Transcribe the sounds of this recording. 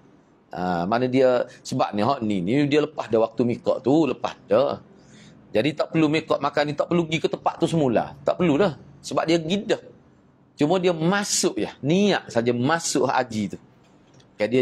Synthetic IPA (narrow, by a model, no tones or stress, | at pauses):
ʔa̰manədiəsəbaʔ̚niɦɔʔninidiələpahdəwak̚t̪umikɔ̰ʔt̪uləpa̰hdə | d͡ʒadit̪aʔpərlumikɔʔmakanit̪aʔpərluɡikət̪əpa̰ʔt̪usəmula̰t̪aʔpərludəhsəbap̚diəɡidəh | t͡ʃumədiəmasʊʔjəniaʔsad͡ʒamasʊʔa̰d͡ʒit̪u | kajaʔdia